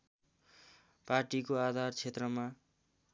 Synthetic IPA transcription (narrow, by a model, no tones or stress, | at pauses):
parʈikoad̪ʱart͡sʰet̪rʌma